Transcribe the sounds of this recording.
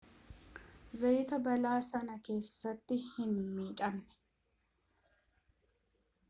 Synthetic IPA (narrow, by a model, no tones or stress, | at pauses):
zɐjt̪ɐbɐlaːsɐnɐke̞ːsːɐt̪ːɪhɪnmiːt͡ʃʼɐmːɛ̥